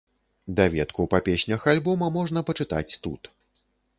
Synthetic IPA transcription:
d̪ɐvʲɛt̪kuwpapʲɛɕʲnʲɐxalʲbɔmɐmɔʐnɐpɐt͡ʂɨt̪a̰t͡sʲt̪ṵt̪

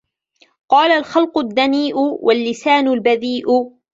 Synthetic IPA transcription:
qɑːlalxɑlqʊd̪ːaniːʔʊwʔalːɪsaːnʊlbaðiːʔʊ

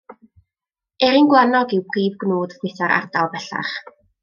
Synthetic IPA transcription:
ɛɾinɡwanɔɡiwpʰwiːvɡnuːd̥vwɪjθaɾʔa̰rdalˠvɛɬa̰χ

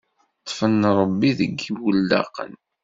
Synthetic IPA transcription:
t̪ˤːfənɾˤəbːiðəɡːiwəlːɑ̰qə̰n

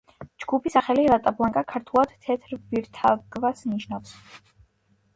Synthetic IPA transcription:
d͡ʒɡupʰisaχɛliɾat̪ʼapʰlˠaŋkʼakʰaɾt̪ʰulˠad̪̥t̪ʰɛt̪ʰɾviɾt̪ʰaɡvasniʃnafs

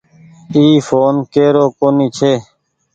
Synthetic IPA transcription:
iːfoːnkeːɾoːkoːniːt͡ʃʰeː

